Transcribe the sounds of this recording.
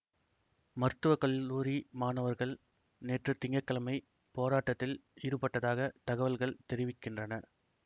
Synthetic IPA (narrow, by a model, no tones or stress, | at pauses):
mɐɾt̪ɯʋɐkɐɭːuːɾimaːnɐʋɐɾɣɐɭ | neːʈrɯt̪ːɪŋɡɐkːɐlɐmɐɪ | poːɾaːʈːɐt̪ːɪlɪɾɯpɐʈːɐðaːɣɐt̪ɐɣɐʋɐlɣɐɭt̪ɛɾɪʋɪkːɪndrɐnɐ